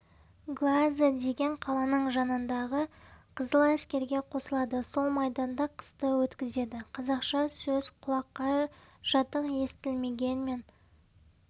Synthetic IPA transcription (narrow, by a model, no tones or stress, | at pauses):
ɡlˠazəd̪e̞ɡʲe̞ɴqʰɑlˠɑnəɴʒɑnənd̪ɑʁəqʰəzəlˠæskʲe̞ɾɡʲe̞qʰo̞səlˠɑd̪əso̞lˠmɑjd̪ɑnd̪ɑqʰə̥st̪əwɵt̪kʲɪze̞d̪ɪqʰɑzɑqʃɑsɵz̥qʰʊlˠɑqːɑ | ʒ̥ɑt̪əqje̞st̪ɪlme̞ɡʲe̞nme̞n